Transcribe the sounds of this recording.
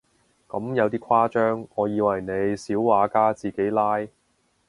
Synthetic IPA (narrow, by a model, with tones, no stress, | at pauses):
kɐ˨˥mjɐ˨˧wt̪̬iː˥kʷʰwaː˥t͡ʃœː˥ŋːɔː˨˧jiː˨˧wɐ˨˩jne˨˧jsiː˨˥wːaː˨˧kaː˥t͡siː˨ke˨˥jlaː˥j